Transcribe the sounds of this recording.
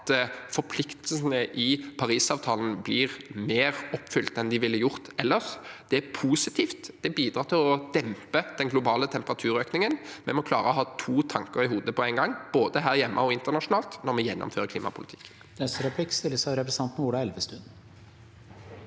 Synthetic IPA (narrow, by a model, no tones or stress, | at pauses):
t̪fɔɾpʰlɪkt̪l̩snəʔɪpʰɑɾiːsɑːʋt̪ʰɑːln̩blɪːʁmeːʁɔpːfʏlt̪ɛnd̪ɪʋɪlːəjʊʁt̪ɛlːəʃd̪̥ɛæpʰuːsɪt̪ʰiːft̪d̪̥ɛbiːd̪ɾʁɑːʁt̪ɪlɔd̪̥ɛmpəd̪̥ɛnɡlʊbɑːlət̪ʰɛmpəʁɑt̪ʰʉːɾøːknɪŋənmɛmɔkʰlɑ̰ːɾəɔɦɑːt̪ʰuːt̪ʰɑŋkəɾɪhuːd̪əpɔæɪŋɡɑŋːb̥oːd̪əɦæːʁjɛmːʔə̰ɔɪnt̪əʁnɑʂʊnɑːlt̪nɔɾmɛjɛnːɔ̰mføːʁəkʰliːmɑ̰pʰʊ̰lɪ̰t̪ʰɪ̥kː | nɛst̪əɾɛpʰlɪkst̪ɪlːəsɑʋɾɛpɾsɑnt̪n̩uːɖɑɛlʋəst̪ʉd̪̩